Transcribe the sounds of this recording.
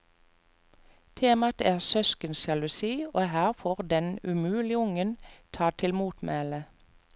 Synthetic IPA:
t̪ʰeːmɑt̪æːʁsœskənsjɑlʊsiːoːhæːʁfoːʁd̪ɛnʉmʉːlɪʊŋənt̪ʰɑːt̪ʰɪlmuːt̪mḛːlə

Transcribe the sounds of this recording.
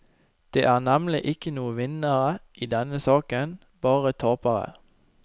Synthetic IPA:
d̪̥eːʔæːʁnæmlɪ̰ʔɪkənuːəʋɪnəʁəʔiːd̪ɛnəsɑːkən | b̥ɑːʁət̪ʰoːpəʁə̰

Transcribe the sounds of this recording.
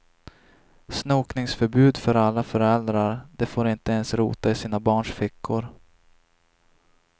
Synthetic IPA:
snuːknɪŋsfœɾbʉ̟ːd̪fœɾalːafœɾɛld̪ɾaɾd̪ɛfoːɾɪnt̪əɛnsɾṵːt̪aɪsiːnabɑːɳʂfɪkʰːʊɾ

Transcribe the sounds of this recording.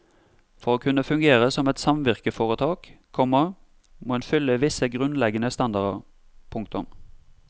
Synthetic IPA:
fɔʁoːkʰʉnəfʉŋɡeːʁəsɔmɛt̪sɑmʋɪʁkəfoːʁət̪ʰɑːk | kʰːɔmə | moːɛnfʏlːəʋɪsəɡʁʉnlɛɡənəst̪ɑnd̪ɑʁd̪ə̰ʁ | pʰʊŋk̚t̪ʊm

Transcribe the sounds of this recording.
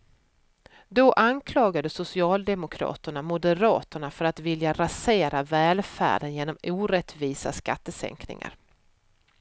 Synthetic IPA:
d̪ɔʔankʰlɑːɡad̪əsʊsɪɑːld̪ɛmʊkʰɾɑ̰ːt̪əɳamʊd̪əɾɑːt̪əɳafœɾat̪vɪljaɾaseːɾʔavɛːlfæ̰ːɖənjeːnɔmuːɾɛt̪viːsa̰ska̰t̪ːəsɛ̰ŋknɪ̰ŋa̰ɾ

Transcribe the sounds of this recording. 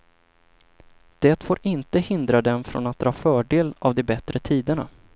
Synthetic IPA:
d̪̥ɛːt̪foːɾɪnt̪əhɪnd̪ɾad̪ɛmfɾɔ̰nat̪̚d̪ɾɑːfœːɖeːlavd̪ɛbɛt̪ɾət̪ʰiːd̪əɳa̰

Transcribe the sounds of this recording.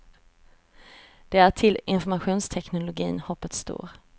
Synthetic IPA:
d̪̥ɛæʈʰɪlɪnfɔɾmaɧuːnst̪ʰɛknʊlʊɡḭːnhɔpːət̪st̪o̰ːɾ

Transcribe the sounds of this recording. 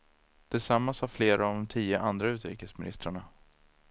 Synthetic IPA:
d̪̥ɪsamːashaɾfleːɾaːvd̪ɔmt̪ʰiːəʔand̪ɾaʉ̟ːt̪ɾḭːkəsmɪnɪ̰st̪ɾaɳa

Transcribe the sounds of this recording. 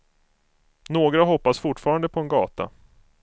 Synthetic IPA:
noːɡɾaɦɔpːasfʊʈːfɑːɾand̪əpʰɔɛnɡɑ̰ːt̪a̰

